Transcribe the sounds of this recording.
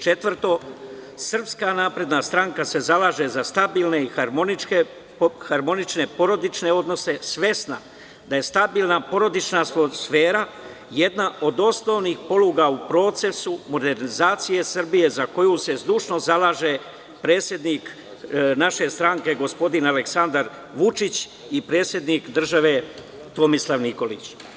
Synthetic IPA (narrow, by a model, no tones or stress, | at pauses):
t͡ʃe̞t̪ʋr̩t̪o̞ | sr̩pskanaːpɾe̞d̪nast̪ɾaŋkase̞zalaːʒe̞zast̪abiːlne̞ixaie | xaɾmo̞nit͡ʃne̞po̞ɾo̞d̪it͡ʃne̞o̞d̪no̞se̞sʋe̞sna̰ | d̪aje̞st̪abiːlˠnapo̞ɾo̞d̪it͡ʃnamosfe̞ːɾa | je̞d̪naʔo̞d̪o̞sno̞ːʋnixpo̞luɡaupɾo̞ːt̪se̞sumo̞d̪e̞ɾnizaːt̪sije̞sr̩bije̞zako̞juse̞zd̪uːʃno̞zalaːʒe̞ | pɾe̞ːt̪sʲje̞d̪nik | naʃe̞st̪ɾaŋke̞ɡo̞spo̞d̪inale̞ksand̪aɾ | ʋut͡ʃit͡ɕ | ipɾe̞ːt̪sje̞d̪nikd̪r̩ʒaʋe̞ | t̪o̞mislˠaʋniko̞lḭt͡ɕ